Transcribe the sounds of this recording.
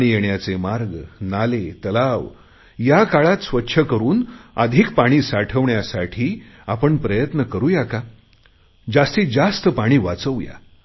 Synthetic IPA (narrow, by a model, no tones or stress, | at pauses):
ɽ̃iːjeɳjat͡semaɾɡnalet̪əlaʋ | jakaɭat̪sʋətːɕʰəkəɾuːnəd̪ʱikpaɽ̃iːsaʈʰəʋɳjasaʈʰiː | apəɳpɾəjət̪nəkəɾuːjaka | d͡zast̪iːd͡zast̪əpaɽ̃iːʋat͡səʋja̰